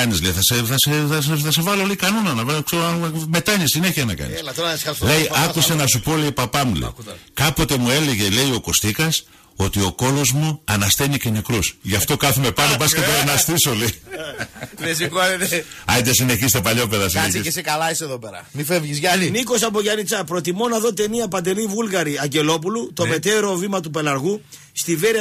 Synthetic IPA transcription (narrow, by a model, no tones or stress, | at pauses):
ɐnizleiθɐseθɐseɐeθɐse̞vɐloleikɐnonɐnɐvɐkseme̞t̪ɐɲisine̞çiɐnɐkɐ̰nist̪oɾɐɐsiɐslejiʔɐkusenɐsupo̞leipɐpɐmulḛikɐpo̞t̪e̞mue̞le̞ʝe̞le̞io̞ko̞st̪ikɐs | o̞t̪io̞ko̞lo̞zmuɐnɐst̪e̞nice̞nekɾusʝɐft̪o̞kɐθume̞pɐnopɐsket̪enɐst̪iso̞lei | lesikoɐteɐd̪ɐsine̞çist̪epɐʎo̞pe̞ðɐsineçiesekɐlɐiseðopeɾɐ̰mifevʝizʝɐniniko̞sɐp̬oʝɐnit͡sɐpɾo̞t̪imo̞nɐðo̞t̪e̞niɐpɐnd̪e̞livulɣɐɾiɐɲɟe̞lo̞p̬ulut̪o̞me̞t̪e̞ɾo̞vimɐt̪upe̞lɐɾɣu | st̪iveɾi